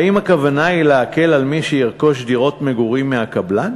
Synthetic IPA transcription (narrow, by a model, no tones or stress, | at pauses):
aimakavanaileake̞lalmiʃejiʁko̞ʃ̬diʁo̞tmeɡuʁimːeakabla